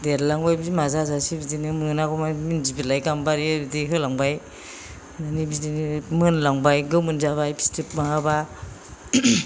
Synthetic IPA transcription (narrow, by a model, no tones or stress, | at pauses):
deɾlaŋbajbidimazazasibidinɯmɯnaɡɔmaminzibilajɡambaɾibidiɦɯlaŋbaj | nɯnibidinmɯnlaŋbajɡɯwmɯnzaβajbi̥stip̚maaba